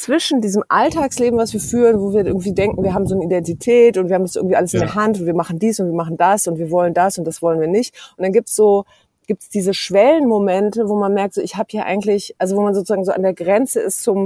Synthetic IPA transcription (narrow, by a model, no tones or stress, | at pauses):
t͡sv̥ɪʃn̩diːzəmʔaltʰaːksleːbm̩vasv̥iːɐfyːʁənvoːviːɐɪɐɡŋ̩tv̥iːdɛŋkŋ̩viːɐɦaːbm̩zoːnəidɛntitʰɛːtʊntviːhːmndasʔɪɐɡŋ̩tviːʔaləsɪndeɛɐɦantʊntv̥iːɐmaχn̩diːsʊntviːɐmaχn̩d̥asʊntv̥iːɐvɔləndasʊnt̚d̥asv̥ɔlənviːɐnɪçtʔʊntd̥anɡiːp̚tsz̥oː | ɡ̥iːptsd̥iːzəʃv̥ɛlənmomɛntəvoːmanmɛɐk̚tz̥oːɪçhaːbəjaːʔa̰ɪɡŋ̩tlɪçʔalzovoːmanzoːt͡suzaːɡŋzoːʔa̰ndeːɐɡʁɛnt͡səɪst͡sʊm